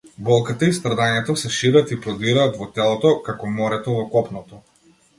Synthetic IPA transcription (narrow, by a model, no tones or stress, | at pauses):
bɔlˠkat̪aist̪ɾad̪aɲɛt̪ɔsɛʃiɾat̪ipɾɔd̪iɾaːt̪vɔt̪ɛlˠɔt̪ɔkakɔmɔɾɛt̪ɔvɔkɔpnɔt̪ɔ